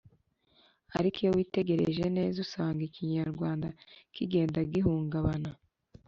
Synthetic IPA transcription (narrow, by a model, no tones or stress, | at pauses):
aɾikijowiːte̞ɡe̞ɾeʒe̞ne̞ːzusaːŋɡiciɲaɾɡwaːndakiɡe̞ːndaɡiɦuːŋɡaβana